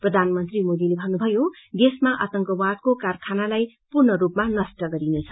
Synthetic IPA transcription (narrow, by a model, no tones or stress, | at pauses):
prʌd̪ʱanmʌnt̪rimod̪ilebʱʌnːubʱʌjo | d̪esmaʔʌt̪ʌŋkʌwaʈ̪̚kokarkʰanalaj | purnʌɾupmanʌsʈʌɡʌɾinet͡sʰʌ